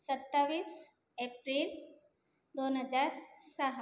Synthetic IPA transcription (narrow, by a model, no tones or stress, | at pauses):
sət̪ːaʋiːs | epɾil | d̪onɦəd͡zaɾsəɦə